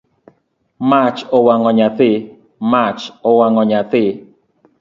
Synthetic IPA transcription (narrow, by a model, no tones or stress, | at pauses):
mat͡ʃɔwaŋɔɲat̪ɪ | mat͡ʃɔwaŋɔɲat̪ɪ